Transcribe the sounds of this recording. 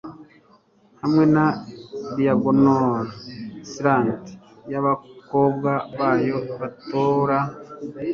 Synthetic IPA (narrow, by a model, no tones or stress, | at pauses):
hamŋe̞nadijaɡonoɾosɾaːnti̥ | jaβako̞ːbɡaβaːjo̞βatoɾa